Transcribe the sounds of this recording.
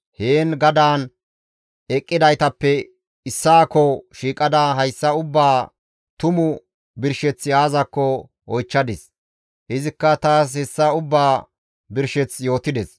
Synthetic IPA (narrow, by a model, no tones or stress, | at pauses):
heːnɡɐd̪aːn | ɛkʼːɪd̪ɐjt̪ɐpːɛ | ɪsːaːkːɔʃiːkʼɐd̪aːɦɐjsːɐʊbːaː | t̪ʊmʊ | bɪɾʃɛt͡sːjaːzɐkːɔ | ɔjt͡ʃːɐd̪ɪs | hɪzɪkːɐt̪aːs̬hɛsːɐʊbːaː | bɪɾʃɛt͡sjo̞ːt̪ɪd̪ɛs